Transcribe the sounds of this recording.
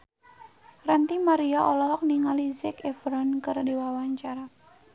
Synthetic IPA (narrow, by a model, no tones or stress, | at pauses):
rant̪imaɾiaʔɔlɔɦɔk̚niŋalizɛkefɾɔnkɨrdiwawaɲt͡ʃaɾa